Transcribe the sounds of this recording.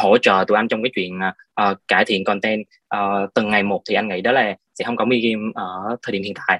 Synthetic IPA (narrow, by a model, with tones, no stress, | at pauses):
ho˧˥˩t͡ɕə̰ː˧˨t̪ṵ˧˩ʔjnt͡ɕɔ˧wŋ͡mkaː˨˦t͡ɕwḭ˧˨ənː˨˩ | ʔəː˨˩kaː˧˩jt̪ʰḭ˧˨ənkɔ˨˩nt̪ɛ˧n | ʔəː˨˩t̪ɨ˨˩ŋːa˨˩jmo˨˩t̚t̪ʰi˨˩ʔa˧ŋḭ˧˥ɗɔ˨˦laː˨˩sɛ̰˧˥hə˧wŋ͡mkɔ˨˦mwi˧ki˧mʔəː˧˩t̪ʰə˨˩i˧˩˨hḭ˧˨nt̪a̰ː˧˨j